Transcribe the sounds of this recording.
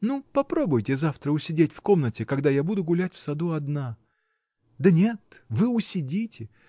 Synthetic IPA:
nupɐpɾo̞bʊjtʲɪzaft̪ɾəʊsʲɪdʲetʲfko̞mnətʲɪkɐɡd̪ajabud̪ʊɡʊlʲætʲfsɐd̪uɐd̪na | d̪ənʲe̞t̪vɨʊsʲɪdʲitʲɪ

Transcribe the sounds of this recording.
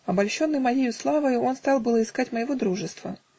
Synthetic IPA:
ɐbalʲɕo̞nːɨjmɐjejʊslˠavəjʊo̞nst̪ɑlˠbɨlˠəɪskatʲməjɪvod̪ɾuʐɨst̪və̰

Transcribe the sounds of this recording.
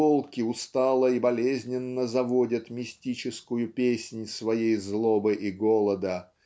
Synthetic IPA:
olˠkʲɪʊst̪ɑlˠəibɐlʲezʲnʲɪnːəzɐvodʲət̪mʲɪsʲtʲit͡ɕɪskʊjʊpʲesʲnʲsvɐjejzlˠobɨʔiɡo̞lˠəd̪ə

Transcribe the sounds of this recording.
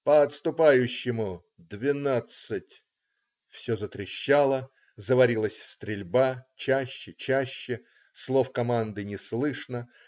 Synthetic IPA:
pəɐt̪st̪ʊpajʉɕːɪmʊ | d̪vʲɪnat̪sɨtʲ | fsʲozət̪ɾʲɪɕːalˠə | zəvɐɾʲilˠəsʲst̪ɾʲɪlʲbat͡ɕæɕːɪt͡ɕæɕːɪ | slˠo̞fkɐmand̪ɨnʲɪslˠɨʂnə

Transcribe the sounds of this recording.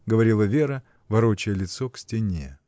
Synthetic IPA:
ɡəvɐɾʲilˠəvʲe̞ɾə | vɐɾot͡ɕɪjəlʲɪt̪soksʲtʲɪnʲe̞

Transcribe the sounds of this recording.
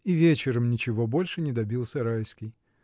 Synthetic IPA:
ivʲet͡ɕɪɾəmnʲɪt͡ɕɪvo̞bo̞lʲʂɨnʲɪd̪ɐbʲilˠsʲəɾajskʲɪj

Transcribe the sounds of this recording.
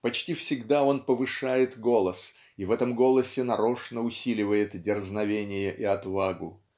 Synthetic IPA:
pɐt͡ɕtʲifsʲɪɡd̪ao̞npəvɨʂajɪt̪ɡo̞lˠəs | ivɛt̪əmɡo̞lˠəsʲɪnɐɾo̞ʂnəʊsʲilʲɪvəjɪt̪dʲɪrznɐvʲenʲɪjəʔiɐt̪vaɡʊ̰

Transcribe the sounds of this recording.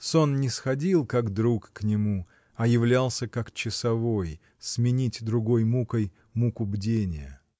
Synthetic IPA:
so̞nnʲɪsxɐdʲilˠkakd̪ɾukːnʲɪmu | ɐjɪvlʲalˠsʲəkakt͡ɕɪsɐvo̞j | smʲɪnʲitʲd̪ɾʊɡo̞jmukəj | mukʊbdʲenʲɪjə̰

